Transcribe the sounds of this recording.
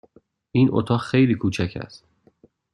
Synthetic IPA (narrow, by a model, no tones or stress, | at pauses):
ʔiːnʔo̰t̪ʰɒːxejliːkʰuːt͡ʃʰæcʰæ̰st̪